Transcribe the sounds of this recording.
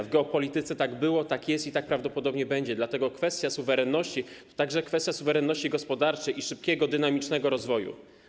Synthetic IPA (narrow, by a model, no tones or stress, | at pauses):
vɡɛɔpɔlʲit̪ɘt̪sɛt̪aɡbɘwɔt̪akjɛst̪it̪ak̚pɾavd̪ɔpɔd̪ɔbɲɛbɛɲd͡ʑɛd̪lat̪ɛɡɔkfɛst̪ʲjasuvɛɾɛnːɔɕt͡ɕit̪ɔ̥t̪aɡʐɛkfɛst̪ʲjasuvɛɾɛnːɔɕt͡ɕiɡɔspɔd̪aɾt͡ʂɛjiʂɘp̚kʲɛɡɔd̪ɘnamʲit͡ʂnɛɡɔɾɔzvɔjṵ